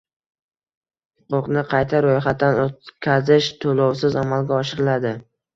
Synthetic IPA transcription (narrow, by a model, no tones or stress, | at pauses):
hʊqʊqnɪqʰɑjt̪ʰaɾojχat̪ːanot̪kʲʰazɪʃt̪ʰolɒwsɪzamalˠɡʲaɒʃɪɾɪlad̪ɪ